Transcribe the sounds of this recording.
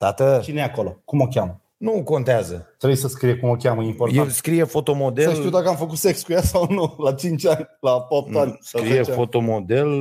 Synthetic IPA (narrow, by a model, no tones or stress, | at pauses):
t̪at̪ət͡ʃinejako̞lo̞kumo̞kʲamə | nuko̞nt̪eazət̪ɾejsəskɾijekumo̞kʲaməimporjaelskɾijefo̞t̪o̞mo̞d̪eəʃlt̪iuwd̪akəamfəkut̪sekskujasawnulat͡ʃint͡ʃʲanʲlapap̚t̪anʲsaɾieeffo̞t̪o̞mod̪e̞l